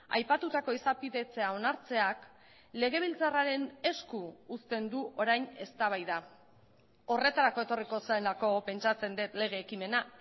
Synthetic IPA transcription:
a̰jpat̪ut̪ako̞isapiðe̞t͡se̞ao̞naɾt͡se̞ak | le̞ɣ̞e̞β̞ilt͡saraɾe̞ne̞skuːst̪e̞nd̪uʔo̞ɾajne̞st̪aβajða | o̞re̞t̪aɾako̞e̞t̪o̞riko̞saelako̞pe̞nt͡ʃat͡se̞nd̪et̪le̞ɣ̞e̞ːkime̞na

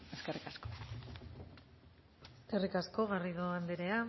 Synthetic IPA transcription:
eskerikasko | eske̞rikasko̞ɣariðoand̪eɾea

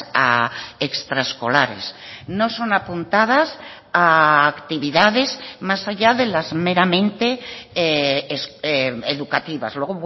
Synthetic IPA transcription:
aekst̪ɾaeskolaɾḛsno̞so̞napunt̪að̞as | aːkt̪iβ̞iðaðe̞zmasaʎaðe̞lazmeɾamẽ̞nt̪e̞eeseeðukat̪iβa̰zlweɣoβ

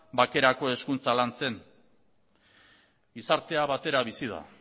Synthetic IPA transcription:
bake̞ɾako̞e̞skunt͡salant͡se̞n | isaɾt̪e̞aβat̪e̞ɾaβisið̞a̰

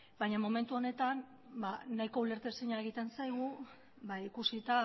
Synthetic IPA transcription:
bajɲamo̞me̞nt̪uo̞ne̞t̪an | baːaiko̞ule̞ɾt̪eseɲaeɣit̪e̞nsajɣ̞u | βaikusit̪a

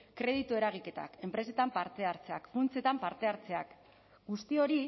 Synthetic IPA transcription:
kɾe̞ð̞it̪ue̞ɾaɣ̞ike̞t̪a̰ke̞mpɾe̞se̞t̪ampaɾt̪e̞aɾt͡se̞a̰kfunt͡se̞t̪ampaɾt̪e̞aɾt͡se̞ak | ɡust̪io̞ɾi

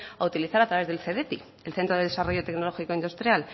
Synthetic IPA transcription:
aut̪iliθaɾat̪ɾaβe̞zðe̞lθe̞ðe̞t̪i | elθe̞nt̪ɾo̞ðeðe̞saro̞ʝo̞t̪e̞kno̞lo̞xiko̞ind̪ust̪ɾjal

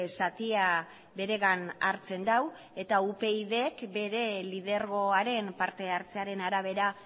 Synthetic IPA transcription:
sat̪ia | be̞ɾe̞ɣanaɾt͡se̞nd̪aw | e̞t̪aupe̞iðeːkbe̞ɾe̞lið̞e̞ɾɣo̞aɾe̞mpaɾt̪e̞aɾt͡se̞aɾe̞naɾaβ̞e̞ɾa

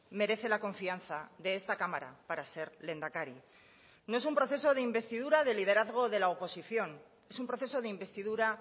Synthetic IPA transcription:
me̞ɾe̞θe̞lako̞ɱfianθaðe̞est̪akamaɾa̰paɾase̞ɾle̞nd̪akaɾi | no̞e̞sumpɾo̞θe̞so̞ðe̞imbe̞st̪ið̞uɾaðe̞lið̞e̞ɾaðɣ̞o̞ðe̞laopo̞siθjo̞n | e̞sumpɾo̞θe̞so̞ðeimbe̞st̪iðuɾa

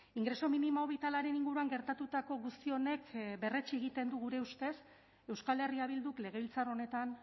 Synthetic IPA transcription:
iŋɡɾe̞so̞minimaoβit̪alaɾe̞niŋɡuɾuaŋɡe̞ɾt̪at̪ut̪ako̞ɣust̪io̞ne̞kbe̞re̞t͡ʃieɣit̪e̞nd̪uɣuɾe̞ust̪e̞s | e̞wskale̞riaβild̪ukle̞ɣ̞e̞βilt͡saro̞ne̞t̪an

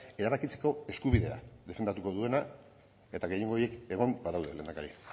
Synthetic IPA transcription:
e̞ɾaβakit͡se̞̥ko̞e̞skuβiðe̞a̰ðe̞fe̞nd̪at̪uko̞ðue̞na | e̞t̪aɣe̞jeŋɡoje̞ke̞ɣ̞o̞mbaðawðe̞lenakaɾi

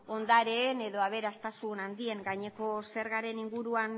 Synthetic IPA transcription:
o̞nd̪aɾeːne̞ðo̞aβ̞e̞ɾast̪asunand̪ie̞ŋɡajɲe̞ko̞se̞ɾɣaɾe̞niŋɡuɾuan

